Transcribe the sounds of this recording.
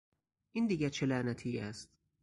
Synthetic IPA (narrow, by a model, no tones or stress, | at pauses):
ʔind̪iːɡæɾt͡ʃʰelæːnæt̪ʰiːæst̪̚